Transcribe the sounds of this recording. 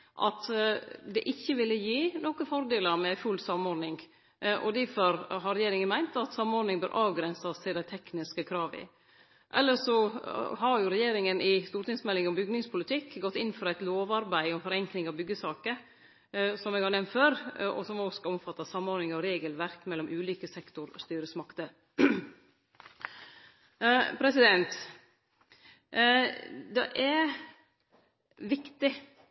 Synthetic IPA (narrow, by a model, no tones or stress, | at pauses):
ʔɑ̰t̪d̪ɛʔɪçːəʋɪlːəjiːnɔkəfɔɾd̪eːləɾmɛfʉlsɑmːɔɾnɪŋ | ʔɔ̰d̪ɪfɔɾɦɑɾɛjeːɾɪŋənmæɪnt̪ɑt̪sɑmːɔɾnɪŋbøːɾʔɑːʋɡɾɛnsəst̪ʰɪld̪æɪt̪ʰɛknɪskəkʰɾɑːʋɪ̰ | ʔɛ̰lːəʂɔhɑɾjʊɾɛjeːɾɪŋənʔɪst̪uːɾt̪ɪŋsmɛlːɪŋɔmbʏɡnɪŋspʰʊlɪt̪ʰɪkːɡɔt̪ːɪnːfɔɾæɪt̪loːʋɑɾbæɪɔmfɔɾɛŋknɪŋɑʋbʏɡːəsɑːkə | sɔmɛːɡhɑɾnɛmnt̪føːɾɔ̰sɔmoːskɑɔmfɑt̪ːɑsɑmːɔɾnɪŋɑʋɾeːɡəlʋæɾkmɛlːɔmʔʉːliːkəsɛkt̪ʊɾɔ̰st̪yːɾəsmɑkt̪ə | pʰɾɛsɪd̪ɛnt̪ | d̪ɛ̰ʔæɾ | ʋɪkt̪ɪ